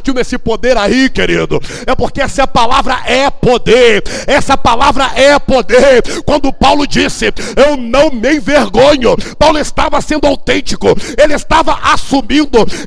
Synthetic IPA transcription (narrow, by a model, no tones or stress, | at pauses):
t͡ʃiwmesɪpod̪eɾaikeɾid̪ʊ | ɛpoɾkeɛsɪɐpalavɾɐʔɛpod̪eɾ | ɛsɐpalavɾɐʔɛpod̪eɾkwɐ̃nd̪ʊpawlʊd͡ʒisɪewnɐ̃w̃mej̃veɾɡõɲʊpawlʊest̪avɐsẽnd̪ʊawt̪ẽnt͡ʃikʊelɪest̪avɐʔasumĩnd̪ʊ